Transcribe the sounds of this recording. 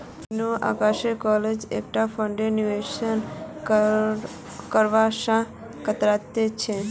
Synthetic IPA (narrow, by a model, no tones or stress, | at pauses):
nũa̰kaʃekɔled͡ʒḛk̚ʈafəɳɖenuʋeʃən | kəɾʋaʃã | kət̪ɾat̪jet͡ʃʰe